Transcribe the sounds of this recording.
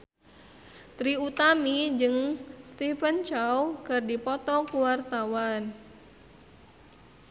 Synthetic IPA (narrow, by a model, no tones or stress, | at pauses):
t̪ɾiut̪amid͡ʒɨŋst̪ifənt͡ʃawkɨrdipɔt̪ɔkuwart̪awan